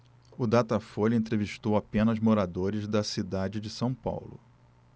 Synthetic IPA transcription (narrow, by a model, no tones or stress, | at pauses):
ʊd̪at̪ɐfoʎɐẽnt̪ɾeviʃt̪owapẽnɐzmoɾad̪oɾɪzd̪ɐsid̪ad͡ʒɪd͡ʒɪsɐ̃w̃pa̰wlʊ̰